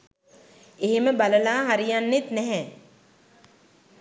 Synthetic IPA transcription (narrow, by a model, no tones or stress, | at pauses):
eɦeməbaləlaːɦaɾijanːet̪nɛɦɛ